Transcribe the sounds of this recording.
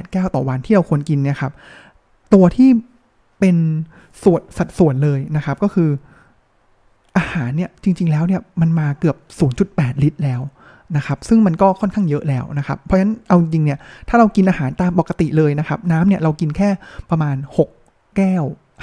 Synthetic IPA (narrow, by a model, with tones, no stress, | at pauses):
ɛː˨˩t̪̚kɛː˥˩wt̪ɔː˨˩wa˧nt̪ʰiː˥ɾa˧wkʰu˧ənki˧nːi˥˩ɐkʰa˦˥p̚ | t̪u˧ɐt̪ʰiː˥˩ | pe˧n | su˨˩ət̪̚sa˨˩t̪̚su˨˩˦ənlɤː˧jna˦˥xʰa˦˥p̚kɔː˥˩kʰɯː˧ | ʔaː˧haː˩˦nːi˥˩ɐt͡ɕi˧ŋt͡ɕi˧ŋlɛː˦˥wni˥˩ma˧nmaː˧kɯ˨˩əp̚suː˩˦nt͡ɕu˨˩t̪̚pɛː˨˩t̪̚li˦˥t̪̚lɛː˦˥w | na˦˥kʰa˦˥p̚sɯ˥˩ŋma˧nkɔː˥˩kʰɔ˥˩nkʰa˥˩ŋjɤ˦˥ʔlɛː˦˥wna˦˥kʰa˦˥pʰːɔ˦˥t͡ɕʰa˦˥nʔa˧wt͡ɕi˧ŋt͡ɕi˧ŋni˥˩ɐt̪ʰaː˥˩ɾa˧wki˧nʔaː˧haː˩˦nt̪aː˧mpɔ˨˩ka˧t̪i˨˩lɤː˧jna˦˥kʰa˦˥p̚naː˦˥mni˥˩ɐɾa˧wki˧nkʰɛː˥˩pɾa˧maː˧nho˨˩k̚ | kɛː˥˩w